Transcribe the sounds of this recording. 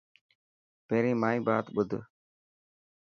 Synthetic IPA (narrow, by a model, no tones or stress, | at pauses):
peːɾĩːmaːĩːba̰ːt̪ɓʊd̪ʱ